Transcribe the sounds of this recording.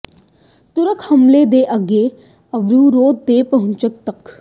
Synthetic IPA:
t̪ʊɾəkʰhɐmled̪eːʔəɡeː | əʋɾuːɾoːd̪̚d̪eːpəɦʊ̃nt͡ʃək̚t̪ɐk

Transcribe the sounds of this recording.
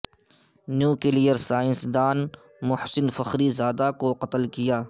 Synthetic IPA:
njuːkelijəɾsaːɪ̃nsd̪aːn | mʊhsɪnfɐxɾizaːd̪akoqɐt̪əlkijaː

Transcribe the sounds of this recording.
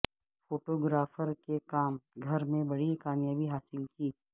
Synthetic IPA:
foːʈoːɡɾaːfəɾkekaːmɡʱɐɾmẽbɐɽikaːmjaːbiɦaːsɪlkiː

